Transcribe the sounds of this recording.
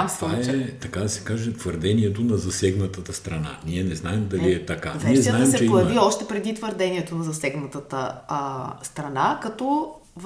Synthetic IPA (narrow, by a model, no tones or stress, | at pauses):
mt̪vaɛt̪ɐkad̪ɐsɛ̥kaʒɛt̪vəɾd̪ɛniɛt̪̬onɐzɐsɛɡnət̪ət̪əst̪ɾɐna̰niɛnɛznaɛmd̪ɐliɛt̪ɐka̰nvɛiɛaɛmsɛt͡ʃɛpojɐviɔʃt̪ɛpɾɛd̪it̪vəɾd̪ɛnʲiɛt̪onɐzɐsɛɡnət̪ət̪ə | st̪ɾɐnakɐt̪ɔ | v